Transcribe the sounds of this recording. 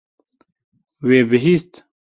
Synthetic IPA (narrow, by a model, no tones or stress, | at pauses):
weːbiɦist̪